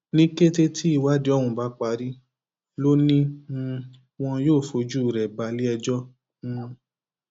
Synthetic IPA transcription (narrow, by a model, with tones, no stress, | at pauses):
nĩ˦ke˦te˧tʰi˦i˦˨wa˦di˦ɔ˦wũ˧˨ba˨˦k͡pa˧ɾi˦ | lo˦nĩ˦ | w̃ɔ̃˧joː˦˨fo˨˧d͡ʒu˦˨ɾɛ˨ba˨˧li˦ɛ˧d͡ʒɔ̃˦ | w̃ɔ̃˧